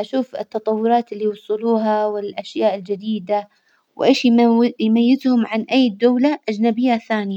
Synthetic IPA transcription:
ʔaʃuːfɪ̰t̪ːɑt̪ˤɑwːʊɾˤɑːt̪ɪlːiwʊsˤɨluːɦawɪlʔaʃjaːʔɪld͡ʒad̪iːd̪a | wʔeːʃjjmajːɪt̪hʊmʕanʔajːd̪aːlaʔad͡ʒnabɪjːaθaːnɪja

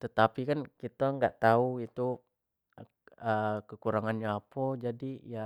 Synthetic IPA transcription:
t̪ət̪apikankit̪əŋɡaʔt̪auit̪u | əkəkuɾaŋanɲaapɔd͡ʒadija

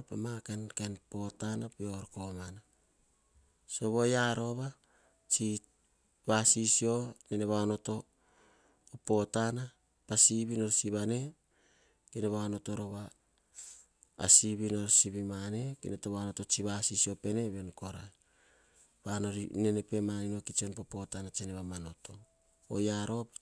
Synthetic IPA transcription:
ɾpamakenkenpo̞tanapioɾko̞mana | so̞βo̞jaɾo̞βa | t͡ʃi | βasisio̞neneβano̞to̞ | po̞tana | pasiβino̞ɾsiβane̞ | kineβaono̞to̞ɾo̞βa | siβino̞ɾsiβimane̞kḭnetoβano̞to̞t͡ʃiβasisio̞pe̞ne̞βe̞nko̞ɾaj | βanoɾine̞nepe̞manino̞kit͡ʃio̞npo̞po̞tanat͡ʃeneβamano̞to̞ | o̰jaɾo̞

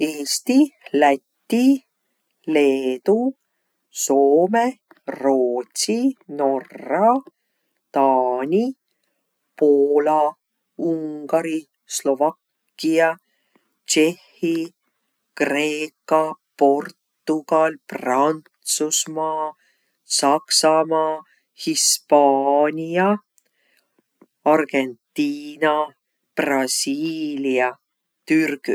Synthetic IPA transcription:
eːst̪ilæt̪ʲːi | le̞ːd̪u | so̞ːme | roːt̪sino̞rːɑ | t̪ɑːnʲi | poːlɑ | uŋɡ̥ɑɾi | slo̞vɑkː | iɑ | t͡ʃe̞hːi | kre̞ːkːɑ | po̞rt̪ːuɡɑlprɑnt̪susmɑː | sɑksɑmɑː | hispɑːnʲiɑ | ɑrɡ̥ent̪ːiːnɑ | prɑsiːliɑ | t̪yrɡ̥

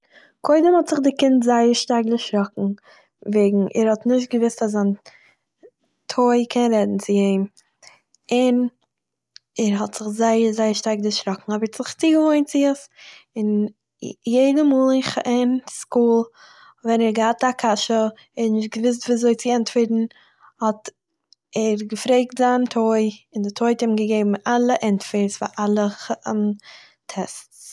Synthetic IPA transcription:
kʰoɪdəmhɔtz̥ɪχdɪkɪntzaɪəɾʃtaɾɡdɪʃɾɔkŋ̩ | veɪɡŋ̩ʔɛ̰ɾhɔtnɪʃ̬t̚ɡəvɪstas̬an | tʰoɪkʰɛnɾɛdn̩t͡sɪeɪm | ɪn | ɛɾɦɔtz̥ɪχzaɪəɾzaɪəʃtaɪɡdɪʃɾɔkŋ̩ɔbəɾtzɪχt͡siːɡəvoɪnt͡sɪəsɪn | jeɪdəmuːlˠɪχɪnskuːlˠ | vɛnɛɾɡəhatakʰaʃə | ɛnɪʃt̚ɡəvɪs̬tviːzoɪt͡sɪɛntfɪɾtn̩ | hɔt | ɛɾɡəfɾeɪk̚tzaːntʰoɪɪndɪtʰoɪtɪmɡəɡeɪbm̩ʔalˠəʔɛntfɪɾsfaʔalˠəχən | tʰɛstt͡s

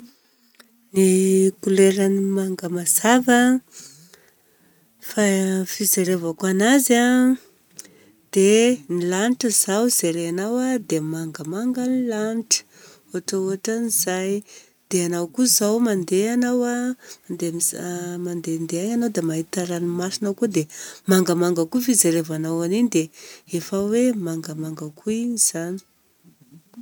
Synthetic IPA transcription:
nikuleɾanimaŋɡəmaz̥avə | fafizeɾevakanaza | d̪̥enilaniʈ͡ʂəzawz̥eɾeanawad̪emaŋɡəmaŋɡənilaniʈ͡ʂə̥ | uaʈ͡ʂəuɦaʈ͡ʂaniz̥aj | d̪̥eanawkuzawmand̪eanawamand̪emmand̪end̪eaɲanawd̪emaɦit̪aɾanimasinawkud̪emaŋɡəmaŋɡəkufizeɾevanawaninid̪eefawemaŋɡəmaŋɡəkuiɲiz̥ani̥

